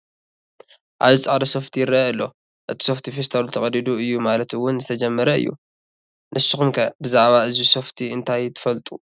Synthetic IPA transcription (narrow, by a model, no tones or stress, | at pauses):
ʔa̰βzɨt͡sʼʕad̪ɐso̞ft̪ʰijɪrːɐɨlːo̞̰ | ʔɨt̪ʰi̥so̞ft̪ʰifest̪ʰawlt̪ʰɐkʼɐd̪id̪uɨjːumalɐt̪ɨwʊnzɨt̪ʰɐd͡ʒɐmːɐɾɐɨ̰jːṵ | nʔɨsːɨxumkʰɐbɨzaʕβaɨziso̞ft̪ʰiɨnt̪ʰajt̪ʰɨ̥fɐlt̪ʼu